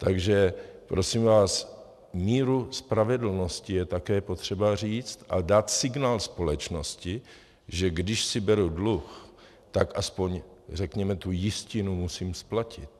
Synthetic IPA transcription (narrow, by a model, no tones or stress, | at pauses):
t̪aɡʒɛpɾo̞simvaːs | miːɾuspɾavɛdl̩no̞scɪjɛt̪akɛːpo̞t̪r̝̥ɛbar̝iːt͡st̪ʔa̰daːt̪sɪɡnaːlspo̞lɛt͡ʃno̞scɪ | ʒɛɡdɪʃsɪbɛɾudlux | t̪akʔaspo̞ɲrɛkɲɛmɛt̪ujɪscɪnumusiːmsplacɪt̪̚